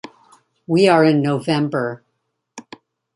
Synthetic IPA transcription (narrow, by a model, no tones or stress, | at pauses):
wiə˞ɪ̃nːoʊvɛ̃mbə˞